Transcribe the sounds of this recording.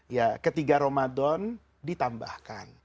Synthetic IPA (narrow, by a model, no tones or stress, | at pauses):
jakət̪iɡaɾomadɔn | dit̪ambahkan